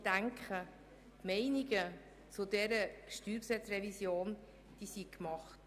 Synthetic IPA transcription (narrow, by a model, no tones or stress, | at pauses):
d̥æŋkχə | tmɛɪniɡə | t͡sudɛɾəʃtyːɾpsɛtɾɛvisjoːn | d̪̥isikmɑχt